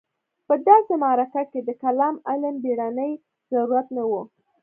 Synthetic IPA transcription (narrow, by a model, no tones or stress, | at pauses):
pəd̪ɑsemɑɾakaked̪əkalɑmalambeɽanəj | z̥aɾuɾat̪nawu